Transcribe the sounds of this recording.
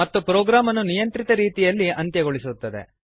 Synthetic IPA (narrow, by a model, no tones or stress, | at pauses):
ɐt̪ːupɾoːɡɾaːmɐnunijɐnt̪ɾit̪ɐɾiːt̪ijɐlːiɐnt̪jɐɡoɭisut̪ːɐd̪e̞̰